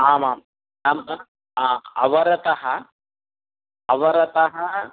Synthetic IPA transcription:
aːmaːm | aːm | aɐ̰ʋɐɾɐt̪ɐɦɐ | ɐʋɐɾɐt̪ɐɦɐ

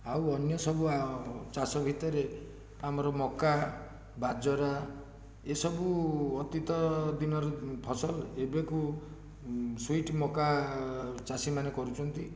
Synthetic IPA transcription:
awɔnjɔsɔbuat͡ʃasɔbʱit̪ɔɾe | amɔɾɔmɔka | bad͡ʒɔɾa | esɔbuɔt̪it̪ɔd̪inɔɾɔpʰɔsɔlebeku | swiʈmɔka | t͡ʃasimanekɔɾut͡ʃʰɔnt̪i

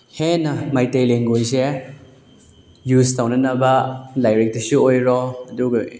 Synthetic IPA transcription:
henɐmajtejleŋɡojse | justawnɐnɐbɐlajɾek̚tisuojɾɔɐduɡ

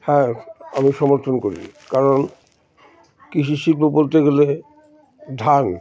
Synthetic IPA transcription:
hɛ̃a̰miʃɔmoɾt̪ʰonkoɾḭkaɾon | kiʃʰiʃilbobolt̪eɡele | d̪ʱan

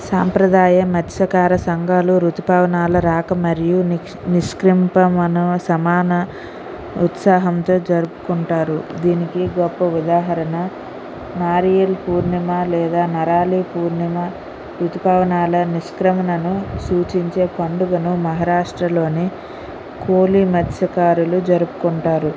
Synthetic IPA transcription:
saːmpɾɐd̪aːjɐmɐt̪ːʃɐkaːɾɐsɐŋɡʱaːluɾut̪upaːʋɐnaːlɐɾaːkɐmɐɾiju | niskɾimpɐmɐnɐsɐmaːnɐ | ut̪saːɦɐmt̪o̞ːd͡ʒɐɾupu̥kuɳʈaːɾud̪iːnikiɡɔpːɐud̪aːɦɐɾɐnɐ | naːɾijɐlpuːɾnɐmɐlɛːd̪aːnɐɾaːlipuːɾnɐmɐ | ɾut̪ipaːʋɐnaːlɐniskɾɐmɐnɐnusuːt͡ʃiɲt͡ʃe̞ːpɐɳɖuɡɐnumɐɦɐɾaːʂʈɾɐlo̞ːni | koːlimɐt̪ʰjɐkaːɾulud͡ʒɐɾupu̥kuɳʈaːɾu

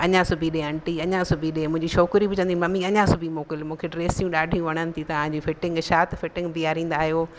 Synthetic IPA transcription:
ɐɲãsʊbʱiɗẽɐ̃ɳʈiɐɲãsʊbʱiɗẽmʊ̃ɦɪ̃ɲd͡ʑiʃoːkɾibɪt͡ɕɐ̃nd̪imɐmiɐɲãsʊbʱimoːkɪlmũːkʰeɖɾeːsijũɗaːɖʱijũʋɐɽ̃ənɪ̆t̪ʰit̪ɐʋ̤ãɲd͡ʑifɪʈɪ̃ŋɡʃaːt̪ʰfɪʈɪ̃ŋɡbiaːɾĩːn̆d̪aːɦijoː

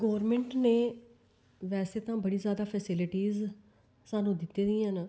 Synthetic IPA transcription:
ɡɔːɾmẽɳʈneː | ʋɛːseːt̪ãːbəɽiːzjaːd̪aːpʰɛːsɪlɪʈiːz | saːnũːd̪ɪt̪ːeːd̪ĩːɦãn

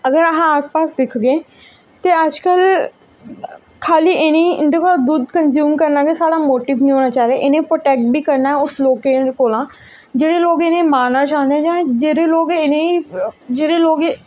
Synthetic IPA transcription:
əɡəɾəɦãaːspaːsd̪ɪkʰɡẽː | t̪eːəd͡ʒkəl | kʰaːliːʔnẽɪnd̪ekod̪uːd̪kənzjuːmkəɾnaːɡesaːɽaːmoːʈiːʋnĩːɦoːnaːt͡ʃaːɾeeʔɪnẽːpɾoːʈeːk̚ʈ̚bʱiːkəɾnaːɦɛʊsloːkekoːlãː | d͡ʒeːɽeːloːɡɪnẽmaːnaːt͡ʃaːɦə̃nd̪eɦɛ̃d͡ʒãːd͡ʒeːɾeloːɡɪnẽid͡ʒeːɾeloːɡe

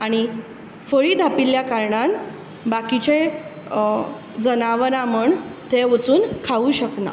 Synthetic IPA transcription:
aɽ̃i | fəɭiːd̪ʱapiljakaɾɳan | bakit͡ɕe | d͡zənaʋɾãməɳt̪eʋət͡suːnkʰauːɕəkna̰

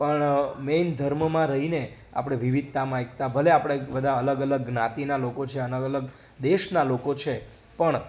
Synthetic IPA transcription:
pəɳmend̪ʱəɾməmãɾəɦine | a̰pɽ̃eʋiʋid̪̚t̪amãekt̪abʱəleapɽ̃ebəd̪ʱãələɡələɡnat̪inalokot͡ʃʰeələɡələɡ | d̪eʃnalokot͡ʃʰe | pəɳ

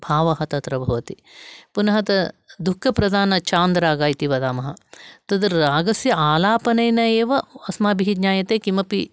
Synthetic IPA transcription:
bʱaːʋɐɦɐt̪ɐt̪ɾɐbʱɐʋɐt̪i | punɐɦɐt̪ɐd̪ukʰːɐpɾɐd̪ʱaːnɐt͡ʃaːnd̪ɾaːɡaːjt̪iʋɐd̪aːmɐɦɐt̪ɐd̪ɐɾaːɡɐsjɐaːlaːpɐnɐjnɐeːʋɐɐsmaːbiɦid̪ɲaːjɐt̪eːkimɐpi

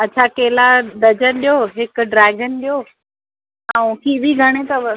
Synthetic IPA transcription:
ɐtːt͡ɕʰakeːlad̪ɐd͡ʑənɗijoɦɪkʊ̆ɖɾɛːɡənɗijoː | ãũkʰibʱiɡʱɐɽ̃et̪ɐ

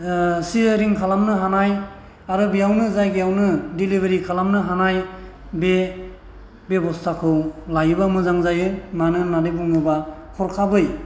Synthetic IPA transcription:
siɾiŋkʰalamnɯɦanaj | aɾɯbijawnɯzajɡiawnɯdilibʱeɾikʰalamnɯɦanaj | be | bjebɔstʰakʰɯwlajɯbamɯzaŋzajɯmanɯnadebuŋɯba | kʰɔɾkʰabɯj

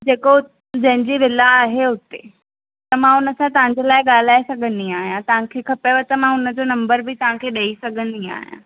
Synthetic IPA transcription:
d͡ʑeːko | d͡ʑɐ̃ɦɪ̃ɲd͡ʑiːʋɪlaːɦeʊt̪e | t̪ɐmãʊnə̆sãt̪ɐʋ̤ãɲd͡ʑelaːɪɠaːl̤aːesɐɡʱə̃nd̪iaːɦijãt̪ɐʋ̤ãkʰeːkʰɐpeʋət̪ɐmãʊnə̆d͡ʑonɐ̃mbəɾbɪt̪ɐʋ̤ãkʰeːɗɐisɐɡʱə̃nd̪ia̰ːɦijã̰

